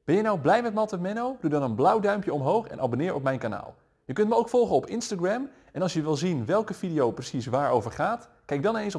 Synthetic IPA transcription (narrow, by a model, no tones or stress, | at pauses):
b̥ɛnjənawblɛjmɛtmɑtəmɛnowdudɑnənblawdœɥmpjəɔmɦowxɛ̰nʔabonɪːɹɔpmɛjnkana̰ːlˠ | jəkɵntməowkfɔlˠχənɔpɪnstaɡrɛm | ɛnɑlˠsjəʋɪlˠzinʋɛlˠkəfidiowprəsisʋaːɹowvəɹχaːt | kɛjɡ̚dɑnnens